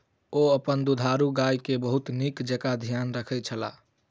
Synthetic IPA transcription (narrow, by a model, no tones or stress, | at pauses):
oəpənd̪ud̪ʱaɾuɡajkebəɦut̪nikd͡ʒəkad̪ʱijanɾəkʰɛt̪̚t͡ʃʰəla̰